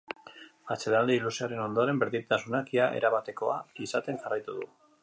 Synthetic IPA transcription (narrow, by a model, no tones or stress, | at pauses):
at͡selald̪iilusiaɾe̞no̞nd̪o̞ɾe̞mbeɾðit̪asunakiaʔe̞̰ɾaβat̪e̞ko̞a̰isat̪e̞nʝarajt̪uð̞ṵ